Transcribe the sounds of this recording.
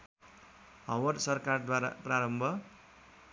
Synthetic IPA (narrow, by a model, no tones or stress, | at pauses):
ɦʌwʌrsʌrkard̪waɾa̰praɾʌmbʱʌ